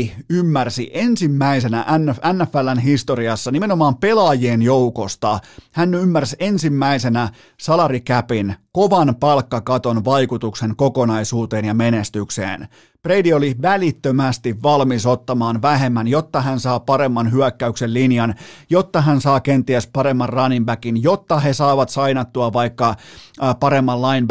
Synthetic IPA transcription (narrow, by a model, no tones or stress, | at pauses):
ymːærsḭʔensimːæise̞næ̰ʔænːænːæfːælːænɦist̪oɾiɑsːɑnime̞nomɑːmpe̞lɑːjeːnjoukost̪ɑhænːymːærsensimːæise̞næ | sɑlɑrikæpinkoʋɑnpɑlkːɑkɑt̪onʋɑjkut̪ukseŋkoko̞nɑisuːt̪e̞ːnjɑme̞nest̪yksḛːn | preidioliʋælit̪ːømæst̪iʋʋɑlmisot̪ːɑmɑːnʋæɦe̞mːænjot̪ːɑɦænsɑːpɑɾe̞mːɑnɦyækːæyksellinjɑnjot̪ːɑɦænsɑːkent̪iæspɑɾe̞mːɑrrɑnimbækinjot̪ːɑɦe̞sɑiʋɑt̪sɑinɑt̪ːuɑʋɑikːɑpɑɾemːɑllɑinb